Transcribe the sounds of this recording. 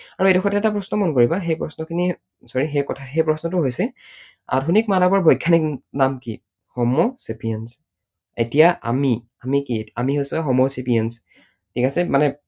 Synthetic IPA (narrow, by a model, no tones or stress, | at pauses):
aɹuetɔxʰɔtɛɛtapɹɔsnɔmɔnkoɹibaxejpɹɔsnɔkʰini | sɔɹixejkɔtʰaxejpɹɔsnɔtʊɦojsɛ | a̰dʱunik̚manɔbɔɹbʱɔjkʰːaniknamkḭ | hɔmɔsipijens | etijaʔa̰mi | amikiamiɦojsɛxɔmosipijens | tʰikasɛmanɛ